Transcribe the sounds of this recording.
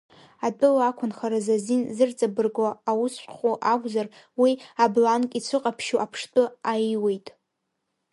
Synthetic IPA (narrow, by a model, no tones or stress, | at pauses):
atʼɨlakʷʰʊnχaɾazazinzɨrt͡sʼabɨrɡaːwʊsχʷuʔakʷʼzar | wiablankʼit͡sʷʰɨqʼapʰʃuʔapʰʂtʼɨajiwe̞jtʼ